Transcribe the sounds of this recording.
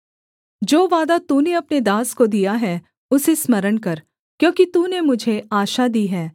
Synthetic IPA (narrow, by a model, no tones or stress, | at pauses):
d͡ʒoːʋaːd̪at̪uːneɐpned̪aːskod̪ijaɦɛː | ʊsesmɐɾənkɐɾ | kjõːkit̪uːnemʊd͡ʒʱeaːʃad̪iːɦɛː